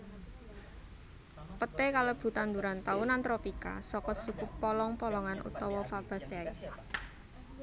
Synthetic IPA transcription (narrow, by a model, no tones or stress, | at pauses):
pət̪ekaləb̥ṳt̪and̪uɾant̪aunant̪ɾɔpika̰sɔkɔsukupːɔlɔŋpɔlɔŋanʔṵt̪ɔwɔfab̥a̤sai